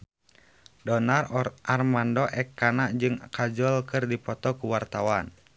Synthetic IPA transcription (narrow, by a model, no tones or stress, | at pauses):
dɔnarɔʔarmandɔʔɛkːanaʔd͡ʒɨŋkad͡ʒɔlkɨrdipɔt̪ɔkuwart̪awan